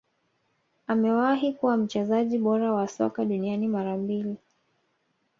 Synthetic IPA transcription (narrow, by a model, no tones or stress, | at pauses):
amɛwaɦikuwam̩t͡ʃɛzaʄiɓɔɾawasɔ̰kaɗunianimaɾambili